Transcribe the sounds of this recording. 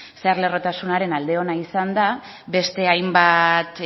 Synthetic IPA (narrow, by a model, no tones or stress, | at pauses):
seaɾle̞ro̞t̪asunaɾe̞nald̪e̞o̞naisand̪a | be̞st̪e̞ajmbat̪